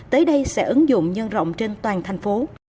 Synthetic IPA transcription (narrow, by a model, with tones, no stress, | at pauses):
t̪əː˨˦jɗə˧jsɛ̰˧˥ʔɨ˨˦ŋzʊ̰˧˨ŋ͡mɲə˧nzə̰˧˨wŋ͡mt͡ɕe˧nt̪waː˨˩nt̪ʰa˨˩jŋ̟fo˨˦